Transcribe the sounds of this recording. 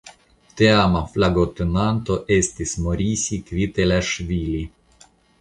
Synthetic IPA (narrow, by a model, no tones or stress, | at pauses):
t̪eamaflaɡot̪enant̪oʔest̪ʲismoɾʲisʲikvʲit̪elʲaʃvʲilʲi